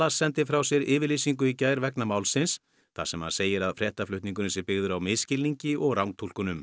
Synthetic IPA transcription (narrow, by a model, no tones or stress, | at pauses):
asɛnt̪ɪfɾawsjɛɾɪːvɪɾlisiŋk̬ʏicaːjɾvɛknamaːwlsɪns | θa̰sɛmha̰nseːjɪɾaðfɾjɛht̪aflʏht̪niŋk̬ʏnɪsɪɾpɪɣðʏɾawmɪðscɪlniɲcɪʔɔɣrawŋt̪ʰulkʏnʏm